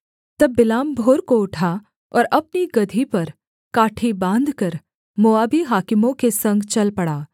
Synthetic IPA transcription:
t̪ɐbːɪlaːmbʱoːɾkoʊʈʰa | ɔːɾɐp̚niɡɐd̪ʱipɐɾ | kaːʈʰibãːnd̪ʱkɐɾ | moaːbiɦaːkɪmõkesɐ̃ŋɡt͡ʃɐlpɐɽaː

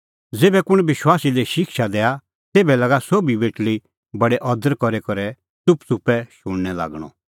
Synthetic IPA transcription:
d͡zeːbɛkʊɽ̃bɪʃwaːsileʃɪkʃad̪ɛːa | t̪eːbɛlɐɡasobibeːʈli | bɐɽɛʔɔd̪əɾkɔɾekɔɾɛ | t͡sʊpt͡sʊpːɛʃʊɽnɛla̰ːɡɽ̃ɔ̰̃

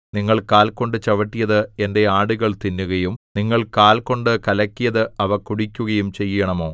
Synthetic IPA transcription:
niŋːɐɭkaːlko̞ɳɖɨt͡ɕɐʋɐʈːijɐðɨe̞nde̞aːɽuɣɐɭt̪inːuɣɐjumniŋːɐɭkaːlko̞ɳɖɨkɐlɐkʲːijɐðɨɐʋɐkuɽikʲːuɣɐjumt͡ɕe̞jːɐɳɐmo̞ː

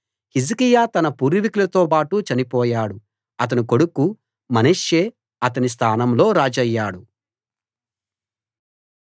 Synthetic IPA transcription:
hizikijaːt̪ɐnɐpuːɾiʋikulɐt̪o̞ːpaːʈut͡ʃɐnipɔːjaːɽu | ɐt̪̬ɐniko̞ɽuku | mɐneːʂjeː | ɐt̪ɐnis̬t̪ʰaːnɐmlo̞ːɾaːd͡ʒɐjːaːɽu

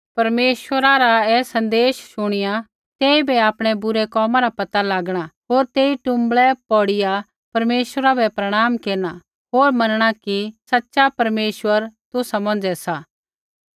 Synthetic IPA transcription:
pɐɾmeːʃwəɾaɾaɛːsɐ̃nd̪eːʃʃʊɽ̃ɪja | t̪ɛːibɛaːpɽ̃ɛbʊɾɛkɔːmãɾapɐt̪alaːɡɽ̃aɦoːɾt̪eːiʈʊ̃mbɭɛpɔːɽɪja | pɐɾmeːʃwəɾabɛpɾɐɽ̃aːmkeːɾɽ̃a | ɦoːɾmɐnɽ̃akisɐtːʃapɐɾmeːʃwəɾt̪ʊsamɐ̃nd͡ʒɛsaː

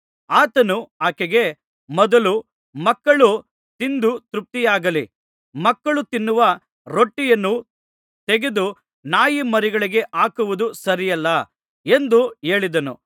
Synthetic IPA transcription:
aːt̪ɐnuaːkeɡe̞ | mɔd̪ɐlu | mɐkːɐɭu | t̪ind̪ut̪ɾup̚t̪ijaːɡɐli | mɐkːɐɭut̪inːuʋɐ | ɾoʈːijɐnːu | t̪eɡe̞d̪u | naːjimɐɾiɡɐɭiɡe̞ʔaːkuʋud̪usɐɾijɐlːɐ | e̞nd̪ue̞ːɭid̪ɐnṵ

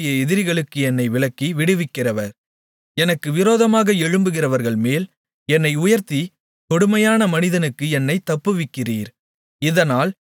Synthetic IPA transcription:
jɐɛðɪɾɪɣɐɭɯkːɯɛnːɐɪʋɪɭɐkːiʋɪɽɯʋɪkːɪrɐʋɐɾ | ɛnɐkːɯʋɪɾoːðɐmaːɣɐɛɻɯmbɯɣɪrɐʋɐɾɣɐɭmeːl | ɛnːɐɪʊjɐɾt̪i | t̪ɔɽɯmɐjaːnɐmɐnɪðɐnɯkːɯɛnːɐɪt̪ːɐpːɯʋɪkːɪriːɾ | ɪðɐnaːl

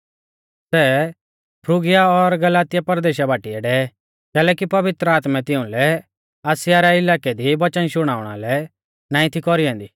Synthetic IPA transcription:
sɛ | pʰɾʊɡɪjaɔɾɡɐlaːt̪ɪjapɐɾd̪eːʃabaːʈiɛɖɛ | kɛːlɛːkipɐʋɪt̪ɾəaːt̪mɛt̪ɪ̃ũlɛ | ɐsɪjaɾɛɪlaːkɛd̪iʋɐt͡ʃənʃʊɽ̃aːʊɽ̃a̰lɛ | nãːĩt̪ʰikɔɾiɛ̃ːnd̪i

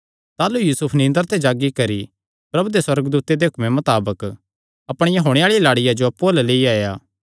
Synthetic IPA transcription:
t̪aːlujuːsʊpʰnɪ̃nd̪əɾt̪ʰed͡ʒaːɡikɐɾi | pɾɐbud̪eswɐɾəɡd̪uːt̪ed̪eɦʊkʰmẽmɐt̪aːbək | ɐpɽ̃ɪjãɦoːɽ̃eaːɭijalaːɽɪjad͡ʒoɐpːulleːiaːjaː

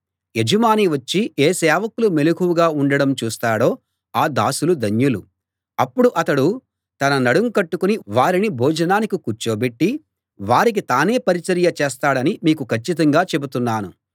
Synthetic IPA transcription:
ed͡ʒɐmaːniʋɐt͡ʃːiʔeːsɛːʋɐkulumelukuʋuɡaːuɳɖɐɽɐmt͡ʃuːst̪aːɽo̞ː | aːd̪aːsulud̪ʱɐnjulu | ɐpːuɽuʔɐt̪ɐɽu | t̪ɐnɐnɐɽuŋkɐʈːukuniʋaːɾinibʱɔːd͡ʒɐnaːnikikuɾt͡ʃoːbeʈːi | ʋaːɾik̬it̪aːne̞ːpɐɾit͡ʃɐɾjɐt͡ʃeːst̪aːɽɐnimiːkukʰɐt͡ʃːit̪̬ɐŋɡaːt͡ʃe̞but̪unːaːnu

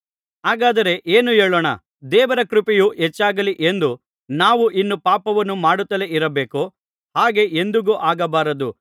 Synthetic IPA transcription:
aːɡaːd̪ɐɾe̞ʔeːnueːɭoːɳɐ̰ | d̪ɛːʋɐɾɐkɾupijuʔɦɛt͡ʃːaːɡɐliʔe̞nd̪u | naːʋuʔinːupaːpɐʋɐnːumaːɽut̪ːɐle̞ʔiɾɐbeːko | haːɡe̞ʔend̪uɡuʔaːɡɐbaːɾɐd̪u

